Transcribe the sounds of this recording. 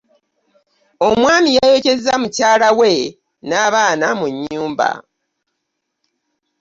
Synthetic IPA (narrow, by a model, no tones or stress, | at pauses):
o̞mwaːmijajecezamucaːlawe̞ | naːβaːnamuɲːuːmba̰